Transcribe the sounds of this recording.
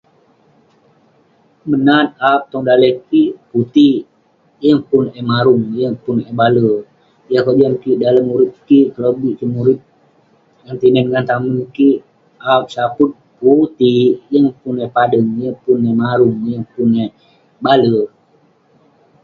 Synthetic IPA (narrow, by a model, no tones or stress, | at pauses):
mənat̪̚ap̚t̪ɔŋdalɛkiput̪i | jəŋpʊnɛmaɾuŋjəŋpʊnebalə | jakəd͡ʒankiʔdaləmːuɾɪt̪̚kikələbiʔsəmuɾɪt̪̚ | ŋant̪inɛnŋant̪amənki | ap̚sapʊt̪̚put̪ijəŋpunɛpadəŋjəŋpʊnemaɾʊŋjəŋpunɛ | balə